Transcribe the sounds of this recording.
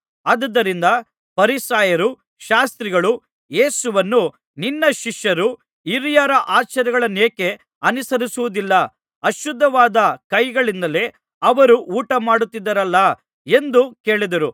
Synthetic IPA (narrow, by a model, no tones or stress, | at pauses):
ɐd̪ɐd̪ːɐɾind̪ɐ | pɐɾisaːjɐɾu | ʃaːst̪ɾiɡɐɭu | je̞ːsuʋɐnːu | ninːɐʃiʃjɐɾu | iɾjaɾɐʔaːt͡ʃɐɾɛɡɐɭɐneːke̞ | ɐnisɐɾisuʋud̪ilːɐ | ɐʃud̪ʱːɐʋaːd̪ɐkɐjɡɐɭind̪ɐle̞ | ɐʋɐɾuʔuːʈɐmaːɽut̪ːid̪ːɐɾɐlːɐ | e̞nd̪uke̞ːɭid̪ɐɾu